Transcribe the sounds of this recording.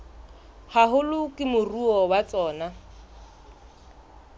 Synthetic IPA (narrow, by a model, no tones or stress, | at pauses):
haɦʊlʊkʼɪmʊruɔwat͡sʼɔːna